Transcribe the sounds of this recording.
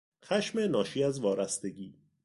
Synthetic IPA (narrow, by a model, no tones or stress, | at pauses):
xæʃmenɒːʃiːæzvɒːɾæst̪e̞ɟiː